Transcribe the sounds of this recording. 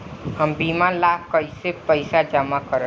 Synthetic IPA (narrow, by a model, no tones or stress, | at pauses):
hʌmbimalab̚kʌjsepʌjsad͡ʒamakʌɾ